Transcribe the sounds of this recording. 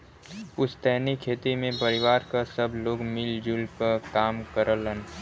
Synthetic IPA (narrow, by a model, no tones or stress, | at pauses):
ʊst̪ɛɦnikʰːeːt̪imẽpəɾɪʋaːɾkasəbloːɡmɪld͡ʒulkakaːmkəɾələn